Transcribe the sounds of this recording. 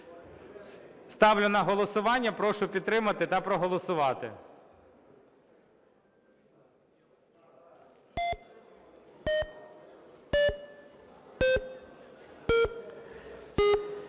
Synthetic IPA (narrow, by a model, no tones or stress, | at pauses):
st̪ɑwlʲʊnɐɦɔlˠɔsʊʋɑnʲːɐpɾɔʃʊpʲid̪̚t̪ːɾɪmɐt̪ɪt̪ɐpɾɔɦɔlˠɔsʊʋɑt̪ɪ̰